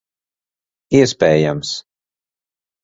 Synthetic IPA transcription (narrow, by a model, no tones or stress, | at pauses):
iɛspɛːjams